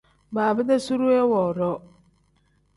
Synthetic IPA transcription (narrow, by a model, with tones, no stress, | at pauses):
baː˨bɪ˦da˦su˦ɾu˦ɛ˦wɔ˨ɾɔ˦